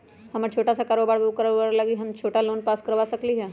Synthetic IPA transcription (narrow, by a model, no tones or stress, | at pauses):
ɦɐmət͡ʃʰoːʈasakaːɾoːbaːɽkɐɾoːbaːɽlɐɡiɦɐmt͡ʃʰoːʈaloːnpaːskɐɾʋaːsɐkliɦɛː